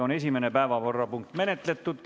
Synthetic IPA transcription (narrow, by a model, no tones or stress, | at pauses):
o̞ne̞s̬ʲime̞nepæevɑvorːɑpuŋkt̪ːˑme̞ne̞t̪le̞t̪ːut̪